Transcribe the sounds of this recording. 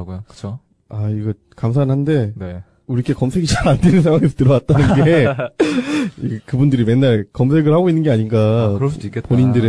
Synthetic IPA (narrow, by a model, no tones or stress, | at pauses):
ɡojokɯ̥t͡ɕʰo | aiɡʌ | kamsʰaːnɦande̞ne | uɾikʰe̞kʌmsʰe̞ɡit͡ɕaɾandenɯnsʰaŋwaŋesʰotɯɾʌwat̚t͈anɯnɡe̞ | ikɯbundɯɾime̞nːaɭkʌmsʰe̞ɡɯɭhaɡoinːɯnŋɡe̞aɲinɡaɯsk͈ːepoɲindɯɾe